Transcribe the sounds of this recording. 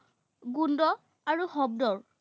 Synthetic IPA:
ɡundɔ | aɹuhɔb̚dɔɹ

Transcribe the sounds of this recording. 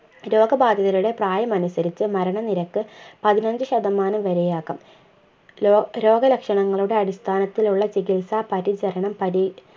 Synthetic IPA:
ɾo̞ːɡɐbaːd̪ʱjɐðɐluɽe̞praːjɐmɐnusɐɾit͡ɕːɨmɐɾɐɳɐniɾɐkːɨpɐðinɐɲd͡ʑɨɕɐðɐmːaːnɐmʋɐɾejaːkːɐm | ɾo̞ːɡɐlɐkʂɐɳɐŋːɐɭuɽe̞ɐɽist̪ʰaːnɐt̪ːiluɭːɐt͡ɕikilsaːpɐɾid͡ʑɐɾɐɳɐmpɐɾi

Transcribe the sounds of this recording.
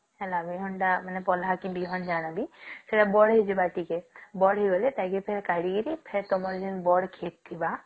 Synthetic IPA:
ɛlabiɦɔɳʈamanepɔlɦakibiɦɔnd͡ʒañabiseʈabɔɽɦed͡ʒibaʈikebɔɽɦeɡɔlet̪ajkepʰeɾkaɽiɡiɾipʰeɾt̪omɔɾd͡ʒinbɔɽkʰet̪̚t̪ʰːiba

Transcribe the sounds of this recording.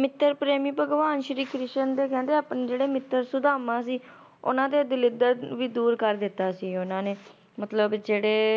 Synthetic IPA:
mɪt̪ːəɾpɾeːmiːpəɡʋaːnʃəɾiːkɾɪsənd̪eːkɛ̃ːnd̪eːaːpnːd͡ʒeːɽeːmɪt̪ːəɾsʊd̪aːmãːsiː | ʊ̰nãːd̪eːd̪ɪlɪd̪əɾʋiːd̪uːɾkəɾd̪ɪt̪ːaːsiːʊnãːneː | mət̪ləbd͡ʒeːɽeː

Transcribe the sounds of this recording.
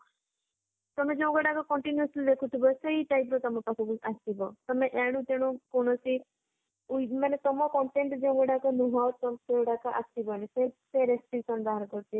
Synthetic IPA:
t̪ɔmed͡ʒeũɡɔɽakɔkɔɳʈinjuslid̪ekʰut̪ʰibɔseiʈajp̬ɾɔt̪ɔmɔpakʰubɔasibɔt̪ɔmeʔeɽ̃ũt̪eɽ̃ũkɔɽ̃ɔsi | umanet̪ɔmɔkɔɳʈeɳʈd͡ʒeũɡɔɽakɔnuɦawt̪ɔmsewʈakaʔasibɔniseseɾesʈɾiksɔnb̪aɦaɾɔkɔɾt͡ʃʰi

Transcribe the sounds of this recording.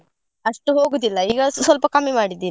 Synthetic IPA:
ɐʂʈuɦoːɡud̪ilːɐiːɡɐsʋɐlpɐkɐmːimaːɽid̪ːiːn

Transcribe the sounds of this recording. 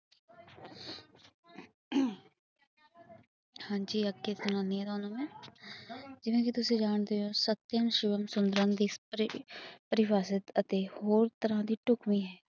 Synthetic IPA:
hãːɲd͡ʒiːəɡeːsʊnãːneɛːd̪aːnõːmẽː | d͡ʒɪʋẽːkit̪ʊsĩːd͡ʒaːɳd̪eoːsət̪jəmʃɪʋəmsʊnd̪ɾãnd̪iːs | pəɾɪʋaːsɪt̪ət̪eːhoːɾt̪əɾãːd̪iːʈʊkmiːɦɛː

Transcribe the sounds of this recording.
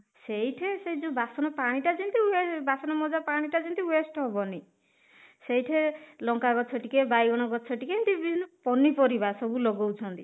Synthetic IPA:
seɦiʈʰeseid͡ʒubasɔnɔpaɽ̃iʈad͡ʒint̪iwebasɔnɔmɔd͡ʒapaɽ̃iʈad͡ʒʰint̪iwesʈɦɔbɔni | sejʈʰelɔŋkaɡɔt͡ʃʰɔʈikebajɡɔɽ̃ɔɡɔt͡ʃʰɔʈikeint̪ibipɔnipɔɾibasɔbulɔɡowt͡ʃʰɔnt̪i

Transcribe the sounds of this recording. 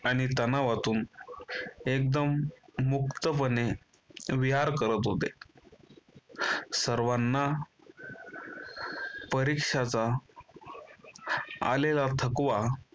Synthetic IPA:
aɽ̃it̪ənaʋat̪uːn | ek̚d̪əmːukt̪əpəne | ʋiɦaɾkəɾət̪ɦot̪e | səɾʋanːa | pəɾikʂat͡sa | a̰lelat̪ʰəkʋa

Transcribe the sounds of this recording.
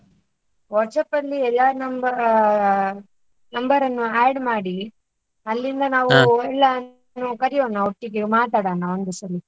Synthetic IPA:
ʋɔɾʈsɐpːɐlːiɛlːaːɾnɐmbɐ | nɐmbɐɾɐnːuaːɖmaːɽi | ɐlːind̪ɐnaːʋuɛɭːa | nːukɐɾijoːnːaoʈːiɡemaːt̪aːɽaːnːɐond̪usɐli

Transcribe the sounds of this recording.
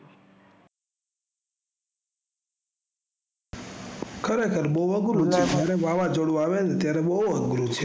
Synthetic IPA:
kʰəɾekʰəɾboəɡɾud͡ʒʰed͡ʒjaɾeʋaʋad͡ʒəɽũaʋenet̪jaɾɛboəɡɾũt͡ʃʰe

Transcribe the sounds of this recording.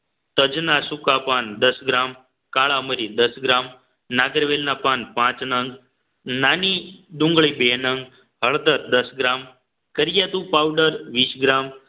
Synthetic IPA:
t̪əd͡ʒnasukapand̪əsɡɾam | kaɭaməɾid̪əsɡɾam | naɡəɾʋelnapanpãt͡snəŋɡ | nanid̪ũŋɡɭibenəŋɡ | həɭd̪əɾd̪əsɡɾam | kəɾjat̪ũpawɖəɾʋiːsɡɾam

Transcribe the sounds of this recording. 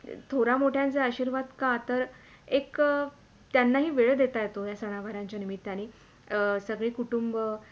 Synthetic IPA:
t̪ʰoɾamoʈʰjãnt͡seaɕiːɾʋad̪kat̪əɾ | ek | t̪janːaɦiːʋeɭd̪et̪ajet̪ojasəɽ̃aʋaɾãɲt͡ɕjanimit̪ːaɽ̃iː | səɡɭiːkuʈumb

